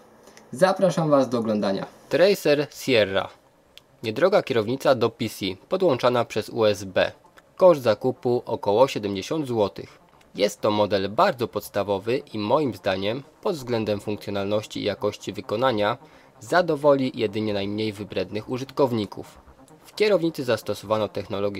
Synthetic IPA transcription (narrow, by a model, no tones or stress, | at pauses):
zapɾaʂamvazd̪ɔːɡlɔnd̪aɲa̰t̪ɾɛjsɛɾsʲjɛrːa̰ | ɲɛd̪ɾɔɡakʲɛɾɔvɲit̪sad̪ɔpʲisʲipɔd̪wɔnt͡ʂanapʂɛzṵɛzbɛ̰ | kɔʐd̪zakupuʔɔkɔwɔɕɛd̪ɛmd͡ʑeɕɔnd̪zwɔt̪ɘ̰x | jɛst̪ːɔmɔd̪ɛlbaɾd̪zɔpɔt̪st̪avɔvɘʔimɔjimzd̪aɲɛmpɔd̪vzɡlɛnd̪ɛmfuŋkt̪sʲjɔnalnɔɕt͡ɕḭːjakɔɕt͡ɕivɘkɔn̪aɲa | zad̪ɔvɔlʲijɛd̪ɘɲɛnajmɲejvɘbɾɛd̪nɘxuʐɘt̪kɔvɲikṵf | fkʲɛɾɔvɲit̪sɘzast̪ɔsɔvanɔt̪ɛxnɔlɔɡʲ